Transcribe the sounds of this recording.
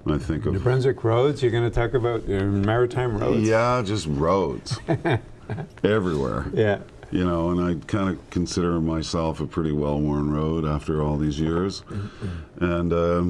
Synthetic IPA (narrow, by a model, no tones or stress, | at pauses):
ʔaɪθɪ̃ŋkʌvbɹɛ̃nzɨkʰɹoʊdzjə˞ɡʌnɨtʰɔkɨbaʊt̚mɛɹɨtʰãɪ̃mɹo̰ʊdjæd͡ʒʌst̚ɹoʊdz̥ | ɛvɹiwɛ̰ɹjæ | jɨnoʊə̃naɪkʰãɪ̃ndɨkʰn̩sɪɾə˞maɪsɛlˠfəpʰɹ̥ɪɾiwɛlˠwɔɹnɹoʊɾæftə˞ɔlˠðizjɪɹz | ʔɨ̃nʌ